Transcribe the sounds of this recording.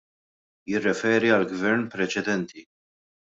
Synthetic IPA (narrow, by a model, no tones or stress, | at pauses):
jɪrːɛfɛːɾiɐlɡvɛɾnpɾɛt͡ʃɛd̪ɛnt̪ʰi